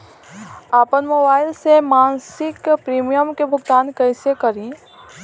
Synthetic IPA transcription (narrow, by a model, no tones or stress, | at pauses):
aːpənmoːbaːɪlsemaːnsɪkpɾiːmijəmkebʱʊɡ̚t̪aːnkɛɪsekɐɾĩ